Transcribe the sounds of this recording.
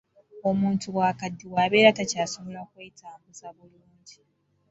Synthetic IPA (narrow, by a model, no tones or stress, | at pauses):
o̞muːntuβwaːkadːiwaːβe̞ːɾatacaːso̞βo̞lakweːitʰaːmbuzaβuluːɲɟi